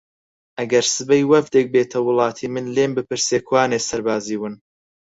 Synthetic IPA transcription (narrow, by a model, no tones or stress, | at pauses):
ʔɐɡɐɾsɨbɐjwɐvd̪ek̚beːt̪ʰɐwʊlˠɑːt̪ʰiːmɨnleːmbɨpɨɾsekʰwaːnesɐɾbaːziːwɨn